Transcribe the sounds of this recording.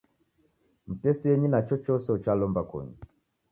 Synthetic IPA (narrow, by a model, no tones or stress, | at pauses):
m̩tɛsiɛɲinat͡ʃɔt͡ʃɔsɛut͡ʃalɔmbakɔ̰ɲi